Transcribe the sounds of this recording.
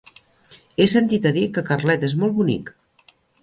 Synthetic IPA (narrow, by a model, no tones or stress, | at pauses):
esənt̪it̪əðikəkərlɛt̪ezmɔlˠβunḭk